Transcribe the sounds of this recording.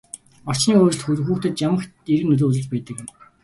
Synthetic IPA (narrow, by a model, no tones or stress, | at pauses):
ɔr̥t͡ɕniːoːɾɪ̆ɮxuxuːxt̪ĕt̪jamə̆xt̪iɾɘ̆knɵt̪̬oːt͡sə̆ɮt͡ɕpæːt̪ə̆kɪ̆m